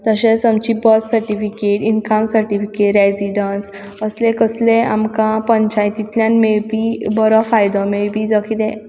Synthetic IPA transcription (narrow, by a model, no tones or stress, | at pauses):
t̪əɕet͡samt͡ɕibəssəɾʈifikeʈinkʰamsəɾʈifikeʈɾed͡ziɖans | əslẽkəslẽamkãpəɲt͡ɕajt̪it̪ljãnmebibəɾɔfajd̪ɔ̃mebid͡zəkʰid̪ẽ